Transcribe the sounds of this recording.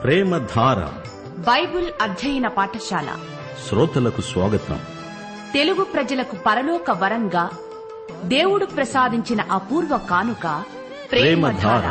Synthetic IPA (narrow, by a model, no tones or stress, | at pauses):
pɾɛːmɐd̪ʱaːɾɐ̰ | bɐjbulɐd̪ʱjɐjɐnɐpaːʈɐʃaːlɐ̰ | sɾoːt̪ɐlɐkusʋaːɡɐt̪ɐ̰m | t̪eluɡupɾɐd͡ʒɐlɐkupɐɾɐlɔːkɐʋɐɾɐŋɡaː | d̪e̞ːwuɽupɾɐsaːd̪ʱiɲt͡ʃinɐʔɐːpuːɾʋɐkaːnukaː | pɾɾɛːmɐd̪ʱaːɾɐ̰